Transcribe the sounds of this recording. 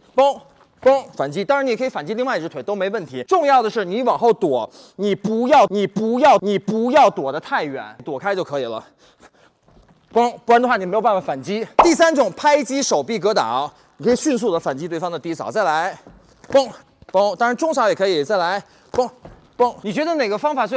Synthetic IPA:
po˥ŋ | po˥ŋfa˨˩nt͡ɕi˥t̪ɑ˥ŋɻa˧˥ni˨˩kʰɤ˧˥i˩fa˨˩nt͡ɕi˥li˥˧ŋwi˧ʈ͡ʂɻ̩˧˥t̪ʰe˧˥ɪo˥ʊme˧˥ɪ˧wə˥˩nt̪ʰi˧˥ʈ͡ʂʊ˥˧ŋjɑ˥˩ʊd̪ə˩ʂɻ̩˥˩ni˧˥wɑ˨˩ŋxo˥˩ʊt̪wɔ˨˩ | ni˨˩pu˧˥jɑ˥˩ʊni˨˩pu˧˥jɑ˥˩ʊni˨˩pu˧˥jɑ˥˩ʊt̪wɔ˨˩d̪ə˦t̪ʰa˥˩ɪɥɛ̰˨˩˦nt̪wɔ˨˩kʰa˥ɪt͡ɕjo˥˩ʊkʰɤ˧˥i˨˩lə̰˦ | pʊ˥ŋ˥˩a˧˥ndə˧xwa˥˩ni˨˩me˧˥o˨˩ʊpa˥˩fa˨˩fa˨˩nt͡ɕi˥t̪i˥˩sa˥nʈ͡ʂʊ˨˩˦ŋpʰa˥ɪt͡ɕi˥ʂo˨˩ʊpi˥˩k̬ɤ˧˥t̪ɑ̰˨˩˦ | ni˨kʰɤ˧˥i˨˩ɕy˥˧ns̬u˥˩d̪ə˩fa˨˩nt͡ɕi˥t̪wɪfɑ˥ŋd̪ə˨t̪i˧˥sʰɑ˨˦t͡sa˥˩ɪla˧˥ɪ | pʊ˥ŋ | po˥ŋt̪ɑ˥ŋɻa˧˥nʈ͡ʂʊ˥ŋʂɑ˧˥jɛ˨˩kʰɤ˧˥i˨˩t͡sa˥˩ɪla˧˥ɪ | pʊ˥ŋ | pʊ˥ŋni˨˩t͡ɕɥɛ˧˥d̪ə˧ne˨˩ɪɡə˦fɑ˥ŋfa˨˩swe˥˧˩

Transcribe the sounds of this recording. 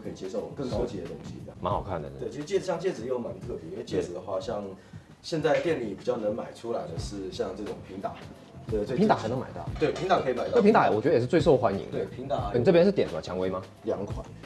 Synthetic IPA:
kʰɤ˧˥i˨˩t͡ɕje˧ʂo˥˩ʊ˨˩m˦ŋkə˥˧ŋkɑ˥ɤ˥˧t͡ɕʰi˨˩d̪ə˩t̪o˧˥ŋɕḭ˧˥˩ma˧˦nxɑ˨˩ʊkʰa˥˩nd̪ə̰˩we˥˩ɪi˧˥ʂɻ̩˧t͡ɕi˥˩˨ɕjɑ˥˧ŋt͡ɕjɛ˥˩d͡zɹ̩˨˩jo˥˩ʊma˧˦nt̪ʰɤ˥˩pji˧˥wt͡ɕɛ˥˩ɹ̩˨˩d̪ə˩xwa˥˧ɕjɑ˥˧ŋ | ɕjɛ˥˧nt͡sa˥˧ɪt̪jɛ˥˧nli˨˩pi˨˩t͡ɕjɑ˥˩ʊnə˧˥ŋma˨˩ɪʈ͡ʂʰu˥la˧˥ɪd̪ə˧ʂɻ̩˥˧ɕjɑ˥˧ŋʈ͡ʂɤ˥˩ʈ͡ʂʊ˨˩ŋpʰi˧˥ŋt̪a̰˨˩˦ | ɛ˧˥˩t͡swe˥˧pi˧˥t̪a˨xa˧˥ɪn˧˦ŋma˨˩ɪt̪ɑ˥˩ʊt̪we˥˩ɪpʰi˧˥ŋt̪a˨˩kʰɤ˧˥i˨ma˨˩t̪pʰi˧˥ŋt̪a˨˩wɔ˨˩t͡ɕɥ̪ɛ˨˩ʂɻ̩˥˧we˥˧ɪʂo˥˧ʊxwa˧˥nḭ˧˦ŋwe˥˩pʰi˧˥ŋt̪a˨˩ni˨˩ʈ͡ʂɤ˥˩pʲjɛ˥nʂɻ̩˥˩jɛ˨˩nsə˨˩t͡ɕʰjɑ˧˥ŋwe˧˥ɪma˧ | ljɑ̰˨˥˦ŋkʰwa̰˨˩˦

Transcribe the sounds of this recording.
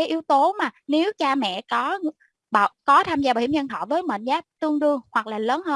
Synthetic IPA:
aː˨˦jʔi˨˦əwt̪o˨˦maː˨˩ne˨˦wt͡ɕaː˧mɛ̰˧˨kɔ˨˦˧ | ɓaː˧˨kɔ˨˦t̪ʰaː˧mzaː˧ɓaː˧˨˩wḭ˧˩˦ɲə˧nt̪ʰɔ̰˧˨vəː˨˦jmə̰ː˧˨nzaː˨˦˥p̚t̪ɨ˧əŋɗɨ˧əŋhwa˨˩k̚laː˨˩ləː˨˦nhəː˧

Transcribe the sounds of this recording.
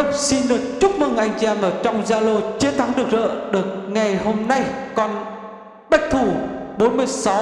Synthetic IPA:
si˧nɗɨ˨˩ək̚t͡ɕʊ˦˥k͡p̚mɨ˨˩ŋʔa˧jŋ̟t͡ɕi˧ɛ˧mʔəː˧˩t͡ɕɔ˧wŋ͡mzaː˧lo˧t͡ɕi˨˦nt̪ʰa˨˦ŋɗɨ˨˩ək̚zə̰ː˧˨ɗɨ˨˩ək̚ŋa˨˩jho˧mna˧jkɔ˧n | ɓa˦˥k̚t̪ʰu˧˩ɓo˨˦nmɨ˧əjsa˨˦

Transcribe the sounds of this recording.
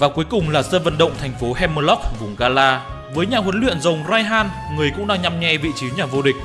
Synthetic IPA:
vaː˨˩ku˨˦əjkʊ˨˩ŋ͡mlaː˨˩səː˧və̰˧˨nɗə̰˧˨wŋ͡mt̪ʰɛ˨˩jŋ̟fo˨˦ɦɛ˧məː˧lɔ˦˥k̚vʊ˨˩ŋ͡mɣaː˧laː˧ | vəː˨˦jɲaː˨˩ɦwə˨˦nlwḭ˧˨ənzə˨˩wŋ͡mzaː˧jɦaː˧n | ŋɨ˨˩əjkʊ̰˧˥ŋ͡mɗaː˧ŋɲa˧mɲɛ˧vḭ˧˨t͡ɕi˨˦ɲaː˨˩vo˧ɗï˨˩k̟̚

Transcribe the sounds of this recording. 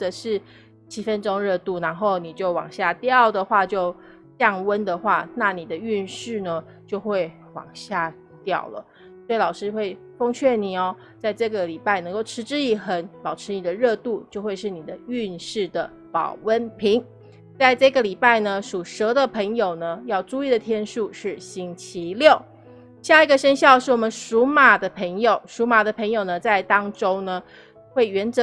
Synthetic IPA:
ə˨˩ʂɻ̩˥˩ | t͡ɕʰi˥fə˦nʈ͡ʂo˥ŋɻɤ˥˧t̪u˥˩na˧˥nxo˥˩ʊni˨˩t͡ɕjo˥˩ʊwɑ̰˨˩ŋɕja˥˧t̪jɑ˥˨˩ʊd̪ə˨xwa˥˧t͡ɕjo˥˧ʊ | t̪jɑ˥˨˩ŋwə˦nd̪ə˨xwa˥˩na˥˩ni˨˩d̪ə˦y˥˧nʂɻ̩˥˩nə˩ | t͡ɕjo˥˧ʊxwe˥˩ɪ | wɑ̰˨˩ŋɕja˥˩ | t̪jɑ˥˨˩ʊlə̰˩ | swɔ˧˥i˨lɑ˨˩ʊʂɻ̩˥xwe˥˩ɪ | fo˥ŋt͡ɕʰɥɛ˥˩ni˨˩ɔ˩ | t͡sa˥˧ɪʈ͡ʂɤ˥˩ɡə˩li˨˩pa˥˩ɪnə˧˥ŋko˥˩ʊʈ͡ʂʰɻ̩˧˥ʈ͡ʂɻ̩˥˧i˥˩xə˨˦npɑ˨˩ʊʈ͡ʂʰɻ̩˧˥ni˨˩d̪ə˦ɻɤ˥˧t̪u˥˧t͡ɕjo˥˧ʊxwe˥˧ɪʂɻ̩˥˩ni˨˩d̪ə˦y˥˧nʂɻ̩˥˩d̪ə˩ | pɑ̰˨˩ʊwə˦npʰi˧˥ŋ | t͡sa˥˧ɪʈ͡ʂɤ˥˩ɡə˩li˨˩pa˥˩ɪnə˩ʂu˨˩ʂɤ˧˥d̪ə˨pʰə˧˥ŋjo˨˩ʊnə˦jɑ˥˧ʊʈ͡ʂu˥˧i˥˩d̪ə˩t̪ʰjɛ˥nʂu˥˧ʂɻ̩˥˩ɕi˥ŋt͡ɕʰi˧˥ljo˥˩ʊ | ɕja˥˩i˧˥ɡə˧ʂə˥nɕ̬jɑ˥˧ʊʂɻ̩˥˩wɔ˨˩mə˦nʂu˧˥ma˨˩d̪ə˦pʰə˧˥ŋjo˨˩ʊʂu˧˥ma˨˩d̪ə˦pʰə˧˥ŋjo˨˩ʊnə˩t͡sa˥˩ɪt̪ɑ˥ŋʈ͡ʂo˥ŋnə˨ | xwe˥˩ɪɥɛ˧˥nt͡sə˨

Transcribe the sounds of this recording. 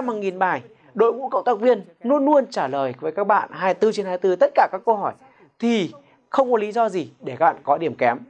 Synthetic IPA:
a˧mha˨˩ŋi˨˩nɓaː˨˩j | ɗo̰˧˨jŋṵ˧˥kə̰˧˨ŋ͡mt̪aː˦˥k̚vi˧ən | nu˧ənːu˧ənt͡ɕaː˧˩ləː˨˩jvəː˨˦jkaː˦˥k̚ɓa̰ː˧˨nɦaː˧jt̪ɨ˧t͡ɕe˧nhaː˧jt̪ɨ˧t̪ə˦˥t̚kaː˧˩kaː˦˥kːə˧ɦɔ˧˩j | t̪ʰi˨˩ | xə˧wŋ͡mkɔ˨˦li˨˦zɔ˧zi˨˩ɗe˧˩kaː˦˥kɓa̰ː˧˨nkɔ˨˦ɗi˧˩əmkɛ˨˦m

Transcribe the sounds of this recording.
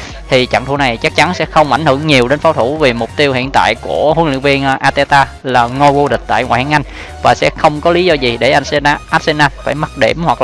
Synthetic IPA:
t̪ʰi˨˩t͡ɕa̰˧˨ŋt̪ʰu˧˩na˨˩jt͡ɕa˦˥k̚t͡ɕa˨˦nsɛ̰˧˥xə˧wŋ͡mʔa˧˩jŋ̟hɨ˧˩əŋɲi˨˩əwɗe˨˦nfaː˨˦wt̪ʰu˧˩vi˨˩mʊ˨˩k͡p̚t̪i˧əwhḭ˧˨ənt̪a̰ː˧˨jku˧˩əhwnlɨ̰˧˨ŋvi˧ənʔʔaː˧t̪e˧t̪aː˧laː˨˩ŋo˧jvo˧ɗï˨˩k̟̚t̪a̰ː˧˨jŋwa̰ː˧˨jha˧ŋʔa˧jŋ̟ | vaː˨˩sɛ̰˧˥xə˧wŋ͡mkɔ˨˦li˨˦zɔ˧zi˨˩ɗe˧˩ʔa˧ʔaː˦˥t̚se˧naː˧faː˧˩jma˦˥t̚ɗe˧˩mhwa˨˩k̚

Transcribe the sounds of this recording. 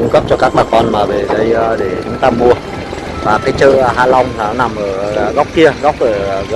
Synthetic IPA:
ʊ˧ŋ͡mɣə˦˥p̚t͡ɕɔ˧kaː˦˥k̚ɓaː˨˩kɔ˧nmaː˨˩ve˨˩ɗə˧jɗe˧˩t͡ɕʊ˨˦ŋ͡mt̪aː˧mu˧ə | vaː˨˩kaː˨˦jt͡ɕə̰ː˧˨ɦaː˧la˧wŋ͡mlaː˨˩nɔ˨˦na˨˩mʔəː˧˩˨ɣa˦˥wk͡p̚ki˧əɣa˦˥wk͡p̚ʔəː˧˩˨

